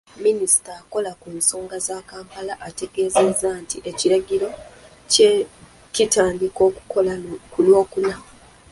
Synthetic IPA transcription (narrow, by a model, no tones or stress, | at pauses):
minisi̥taːko̞lakunsoːŋɡazaːkaːŋkalaʔate̞ɡe̞ːze̞zaːntiʔe̞ciɾaɡiɾo̞ | ce | citaːndiko̞ːku̥kolakulwo̞ːkuna